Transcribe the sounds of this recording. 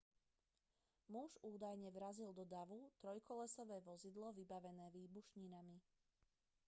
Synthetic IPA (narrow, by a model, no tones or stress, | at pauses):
muʒuːd̪ajɲɛʋɾazild̪ɔd̪aʋut̪ɾɔjkɔlɛsɔʋɛːʋɔzid̪lɔʋibaʋɛnɛːʋiːbuʃɲinami